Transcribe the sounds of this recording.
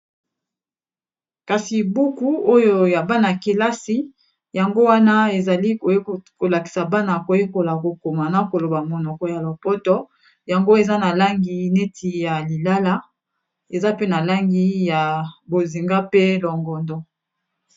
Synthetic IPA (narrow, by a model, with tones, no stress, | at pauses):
ka˨si˨bu˦ku˦o˦jo˦ja˨ba˦na˨ki˨la˦si˦ | ja˨ŋɡo˦wa˦na˦e˨za˨li˦ko˨˦ko˨la˨ki̥˨sa˨ba˦na˨ko˨je˦ko˨la˨ko˨ko˨ma˨na˨ko˨lo˨ba˨mɔ˨nɔ˨kɔ˨ja˨lo˨pɔ˦tɔ˦ | ja˨ŋɡo˦e˨za˦na˨la˦ŋɡi˦ne˦tʰi˨ja˨li˨la˦la˦ | e˨za˦pe˦na˨la˦ŋɡi˦ja˨bo˨zi˨ŋɡa˦pe˦lɔ˨ŋɡɔ˨ndɔ˦